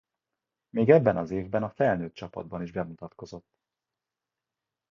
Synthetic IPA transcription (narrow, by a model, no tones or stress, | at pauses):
meːɡɛbːɛnɒzeːvbɛnɒfɛlnøːt̪t͡ʃɒpɒ̰d̪̚bɒniʒbɛmut̪ɒt̪ko̞zo̞t̪ː